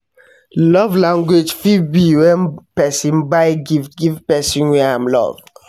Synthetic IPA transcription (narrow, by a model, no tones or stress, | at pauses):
lɔvlãŋɡwed͡ʒfibiwɛ̃npɛsĩnbaɪɡiftɡivpɛsĩnwɛ̃amlɔ̰v